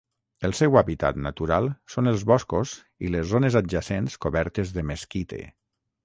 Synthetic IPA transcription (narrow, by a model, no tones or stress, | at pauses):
əlˠsɛwaβit̪a̰t̪nat̪uɾalˠsonelˠzβɔskoz | ḭlezzonezad̪ʒasenskoβɛɾt̪ezðəmeskit̪ḛ